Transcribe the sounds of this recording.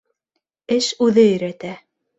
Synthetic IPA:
ɘʃʉðɘɵ̆ɾæt̪æ

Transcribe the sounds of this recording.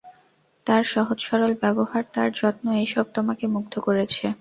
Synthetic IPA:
t̪aɾʃɔɦod͡ʑʃɔɾolbɛbohaɾt̪aɾd͡ʑɔt̪noejʃɔb̚t̪omakemuɡd̪ʰokoɾet͡ɕʰe

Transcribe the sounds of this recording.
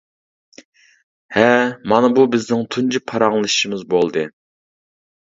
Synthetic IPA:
hɛmɑnɨbubɪznɪŋt̪ʰund͡ʒipʰɑɾɑŋlˠɨʃʃimɨzbolˠd̪ɨ

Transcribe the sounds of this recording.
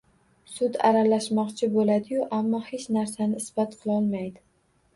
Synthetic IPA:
sʊd̪a̰ɾalaʃmɒqt͡ʃʰɪbolad̪ɪjʊʔamːɒhe̞t͡ʃnaɾsanɪɪsb̥at̪qʰɨlˠɒlˠmajd̪ɪ

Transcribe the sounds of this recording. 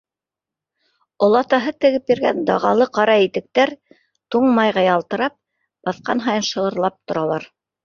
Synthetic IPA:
ŏlˠɑt̪ɑɦɤt̪ɘ̆ɡɘp̚jĭɾɡæ̰nd̪ɑʁɑlˠɤqɑɾɑit̪ɘ̆k̚t̪æɾ | t̪uɴmɑjʁɑjɑlˠt̪ɤ̆ɾɑp̚ | b̥ɑθqɑ̰nɦɑjɤ̆nʃɤ̆ɤ̆ɾlˠɑp̚t̪ŏɾɑlˠɑɾ

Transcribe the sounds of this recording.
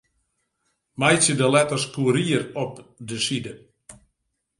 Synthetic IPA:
majsjədəlɛtərskuəɾiərɔpdəsidə

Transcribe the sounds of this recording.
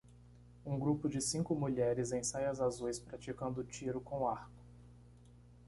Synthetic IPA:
ũɡɾupʊd͡ʒɪsĩŋkʊmuʎɛɾɪzẽj̃sajɐzazujspɾat͡ʃikɐ̃nd̪ʊt͡ʃiɾʊkõw̃aɾkʊ̥

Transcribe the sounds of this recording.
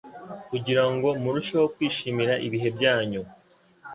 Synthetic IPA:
kuɟiɾaŋɡo̞muɾuʃawokwiːʃimiɾaʔiβiɦe̞bɟaːɲu

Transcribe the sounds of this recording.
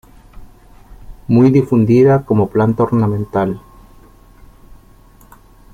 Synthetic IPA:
mujðifund̪iðako̞mo̞plant̪aoɾnamẽnt̪al

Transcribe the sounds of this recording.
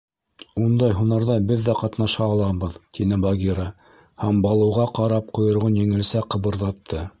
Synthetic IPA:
und̪ɑjɦunɑɾðɑbɘðːæqɑt̪nɑʃɑːlˠɑβɤðt̪inɘbɑɡʲiɾɑ | hæmbɑlˠɤ̆wʁɑqɑɾɑp̚qŏjŏɾʁonjɘ̆ŋɘ̆lsæqɤ̆βɤ̆ɾðɑt̪ʰːɤ

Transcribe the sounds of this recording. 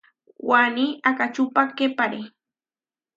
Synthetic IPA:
waniakat͡ʃʊpakepaɾe

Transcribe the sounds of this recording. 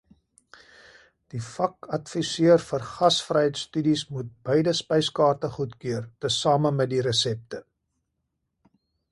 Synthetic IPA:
d̥ifɐkɐtfisiərfərχɐsfrəjəjtstydismut̚bəjdəspəjskɑːrtəχutkøərtəsɑːməmɛt̚diɾəsɛp̚tə

